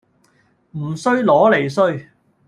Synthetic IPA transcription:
m̩˨˩sɵ˥ɥlɔː˨˥le˨˩js̬ɵ˥ɥ

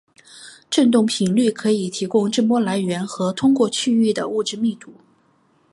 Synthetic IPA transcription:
ʈ͡ʂə˥˧nt̪ʊ˥˩ŋpʰi˧˥ŋly˥˩kʰɤ˧˥i˨˩t̪ʰi˧˥kʊ˥ŋʈ͡ʂə˥˧mwɔ˥la˧˥ɪɥɛ˧˥nxɤ˧˥t̪ʰʊ˥ŋkwɔ˥˧t͡ɕʰy˥˧y˥˩d̪ə̰˩u˥˧ʈ͡ʂɻ̩˥˧mi˥˩t̪u˧˩˦

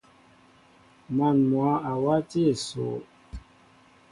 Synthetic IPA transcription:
ma˨nmwa˨˦a˨wa˦ti˦e˨so̰˨

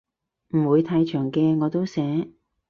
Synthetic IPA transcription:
m̩˨˩wuː˨˧jt̪ʰaː˧jt͡ʃʰœː˨˩ŋkɛː˧ŋɔː˨˧t̪o˥wsɛː˨˥

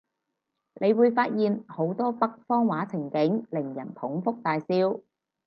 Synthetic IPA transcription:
nʔe˨˧jwuː˨˧jfaː˧t̚jiː˨˧nho˨˥wt̪ɔː˥pɐ˥k̚fɔː˥ŋwaː˨˥t͡sʰɪ˨˩ŋkɪ˨˥ŋlɪ˨˩ŋjɐ̰˨˩npʰʊ˨˥ŋfʊ˥k̚t̪aː˧jsiː˥w

